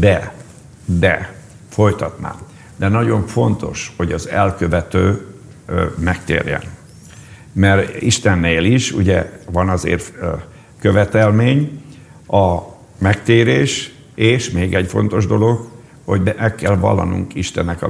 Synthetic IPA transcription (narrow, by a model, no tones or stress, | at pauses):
d̪ɛ | d̪ɛ | fo̞jt̪ɒt̪na̰ː | d̪ɛnɒɟo̞ɱfo̞nt̪o̞ʃho̞ɟɒzɛlkø̞vɛt̪øː | mɛkt̪ḛːrjɛ̰n | mɛriʃt̪ɛnːeːliʃuɟɛvɒnɒzḛːr | kø̞vɛt̪ɛlmeːɲ | ɒ | mɛkt̪eːɾeːʃ | eːʃmeːɡɛcfo̞nt̪o̞ʒd̪o̞lo̞ɡ | hoɟɛmʔɛkːɛlvɒ̰lːɒ̰nṵŋkiʃt̪ɛnːɛkɒ̰